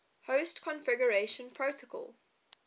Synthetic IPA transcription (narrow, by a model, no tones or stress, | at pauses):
hoʊstkʰɔ̃nfɪɡəɹeʃə̃npʰɹoʊtəkʰɔ̰lˠ